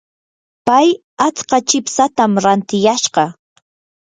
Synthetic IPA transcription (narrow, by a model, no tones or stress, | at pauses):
paj | at͡sqɑt͡ʃɪpsat̪amɾant̪ɪjaʃɢɑ